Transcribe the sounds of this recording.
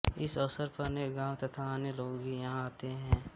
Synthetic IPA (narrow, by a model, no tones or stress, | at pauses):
ɪsɔʋsəɾpɐɾneːkɡãːwt̪ɐt̪ʰaːneloːɡbʱijɐɦãaːt̪eɦɛ̃ː